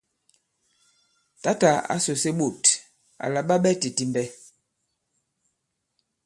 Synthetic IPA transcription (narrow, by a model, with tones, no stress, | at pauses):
ta˦ta˨a̰˦so˨se˦ɓo˨t | a̰˨la˨ɓa˦ɓɛ˦ti˨ti˨mbɛ˦